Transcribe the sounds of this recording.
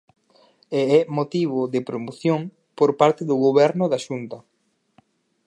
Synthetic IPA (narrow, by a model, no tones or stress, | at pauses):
eɛmot̪iβʊðɪpɾomoθjoŋ | poɾpaɾt̪ɪðʊɣoβɛɾnʊðaʃunt̪ɐ